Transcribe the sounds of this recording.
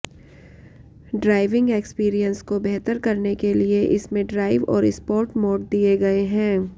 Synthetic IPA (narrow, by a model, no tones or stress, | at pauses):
ɖɾaːɪʋɪ̃ŋɡeːkspiːɾijə̃nskobɛɦt̪əɾkɐɾnekelieʔɪsmẽɖɾaːɪʋɔ̰ːɾɪspɔːɾʈmɔːɖ̚d̪ieɡɐeɦɛ̃ː